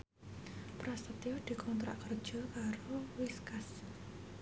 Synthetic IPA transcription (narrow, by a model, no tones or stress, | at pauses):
pɾast̪ət̪jod̪̥i̤kʰɔnt̪ɾa̰ʔkər̥ʒ̥ɔ̤kaɾowiskas